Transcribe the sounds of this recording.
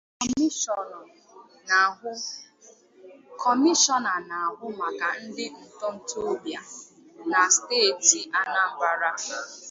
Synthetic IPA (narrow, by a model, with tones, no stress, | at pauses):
ʊ˦ | kʰɔ˨mi˦ʃɔ˦na˨na˨a˨ɦʊ˦ma˨ka˨n̩˦dɪ˦n̩˨tɔ˦n̩˦to˦bja˨ | na˨steː˦˨ti˨ʔa˦na˦ŋ͡m̩˨ɡ͡ba˨ɾa˦